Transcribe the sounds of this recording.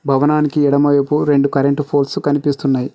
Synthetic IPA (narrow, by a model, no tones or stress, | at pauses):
bʱɐʋɐnaːnikiɛɽɐmɐjɐpuɾe̞ɳɖukɐɾe̞ɳʈpʰoːlskɐnipist̪unːaːji